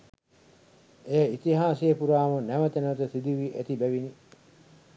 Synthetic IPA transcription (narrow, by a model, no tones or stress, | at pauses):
ejəit̪iɦaːsejepuɾaːmunæʋət̪enət̪ət̪id̪iʋiʔet̪ibæʋini